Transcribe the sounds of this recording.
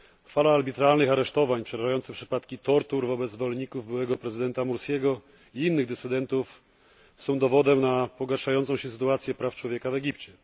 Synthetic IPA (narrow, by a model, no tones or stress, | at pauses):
falaːlbʲit̪ɾalnɘxaɾɛʂt̪ɔvaɲpʂɛɾaʐajɔnt̪sɛpʂɘ̥pat̪kʲit̪ɔɾt̪uɾvɔbɛd̪zvɔlɲikuvbɘwɛɡɔpɾɛzɘd̪ɛnt̪amuɾskʲɛɡɔ | iinːɘɣd̪ɛt̪sɘd̪ɛnt̪uf | sɔ̃w̃d̪ɔvɔd̪ɛmnapɔɡaɾʂajɔnt̪sɔ̃w̃ɕɛs̬ɘ̥t̪uat̪sʲjɛpɾaft͡ʂwɔvʲjɛkavɛɡʲipt͡ɕɛ